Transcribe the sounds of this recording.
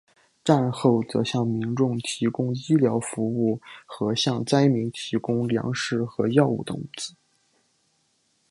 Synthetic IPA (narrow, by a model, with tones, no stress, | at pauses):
ʈ͡ʂa˥˧nxo˥˩ʊt͡sɤ̰˧˥ɕjɑ˥˩ŋmi˧˥nʈ͡ʂʊ˥˩ŋt̪ʰi˧˥kʊ˥ŋi˥ljɑ˧˥ʊfu˧˥u˥˩xɤ˧˥ɕjɑ˥˧ŋt͡sa˥ɪmi˧˥ŋt̪ʰi˧˥kʊ˥ŋljɑ̰˧˥ŋʂɻ̩˥˩xɤ˧˥jɑ˥˧ʊṵ˥˩t̪ə̰˧u˥˩t͡s̩˥˩˦